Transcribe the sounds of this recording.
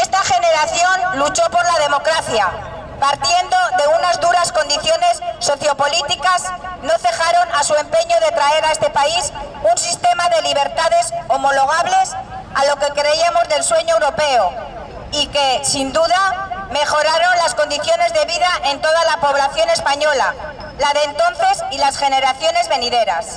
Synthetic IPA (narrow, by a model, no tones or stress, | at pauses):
est̪aχe̞ne̞ɾaθjo̞nlut͡ʃo̞po̞ɾlaðe̞mo̞kɾaθja | paɾt̪je̞nd̪o̞ðe̞unazðuɾasko̞nd̪iθjo̞ne̞sːo̞θjo̞po̞lit̪ikasno̞θe̞xaɾo̞nasue̞mpe̞ɲo̞ðe̞t̪ɾae̞ɾaest̪e̞paisunsist̪e̞maðe̞liβ̞e̞ɾt̪aðe̞so̞mo̞lo̞ɣ̞aβle̞salo̞ke̞kɾe̞iamo̞zðe̞lswe̞ɲoewɾo̞pe̞o | ike̞sind̪uðame̞χo̞ɾaɾo̞nlasko̞nd̪iθjo̞ne̞zðe̞βiðaʔe̞nt̪o̞ðalapo̞β̞laθjo̞ne̞spaɲo̞la̰ | laðe̞ːnt̪o̞nθe̞silasxe̞ne̞ɾaθjo̞ne̞zβe̞niðe̞ɾa̰s